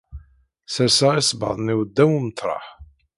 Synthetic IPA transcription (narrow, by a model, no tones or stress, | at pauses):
sæsaʁisˤbɑ̰ðˤniwd̪ːæwimət̪ːɾˤɑ̰ħ